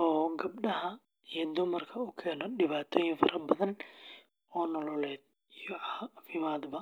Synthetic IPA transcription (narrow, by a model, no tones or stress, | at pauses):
ɔːɡɐbɗɐɦɐ | ijɔd̪ʊmɐrkʰɐʊkʰɛːnɔɖɪβaːt̪ʰɔːjɪɱfɐɾɐbɐðɐn | ɔːnɔlɔlɛːd̪̚ | ijɔʕɑːfɪmaːd̪bɐ